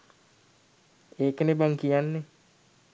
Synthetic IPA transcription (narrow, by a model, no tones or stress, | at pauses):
ekənebaŋkianːe